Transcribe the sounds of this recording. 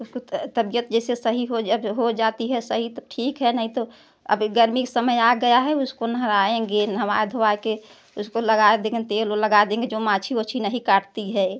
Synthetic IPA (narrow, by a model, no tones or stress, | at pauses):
ʊskot̪əbijət̪d͡ʒɛːsesəɦiɦod͡ʒəbɦod͡ʒat̪iɦɛsəɦit̪oʈʰiːkɦɛnəɦĩt̪o | ə̰bɡəɾmiksəməjaɡəjaɦɛʊskonəɦɾaẽɡenɦəmaed̪ʱoʋake | ʊskoləɡaed̪ẽɡent̪eloləɡad̪ẽːŋɡed͡ʒomãt͡ʃʰiot͡ʃʰinəɦĩkaʈt̪iɦɛ